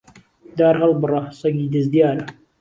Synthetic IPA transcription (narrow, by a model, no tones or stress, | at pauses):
d̪aːɾɦɐlbɨrˤɑsˤɐɡiːd̪ɨzd̪jaːɾɐ